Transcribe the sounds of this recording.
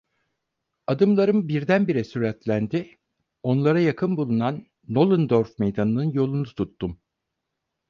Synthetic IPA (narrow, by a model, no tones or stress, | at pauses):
ad̪ɯmlˠaɾɯmbiɾd̪ænbiɾɛsyɾɛt̪lʲænd̪ɪ | o̞nlˠaɾajakʰɯnbulˠunanː | olˠɯnd̪oɾfmejd̪anɯnɯnjo̞lˠunut̪ʰut̪ːum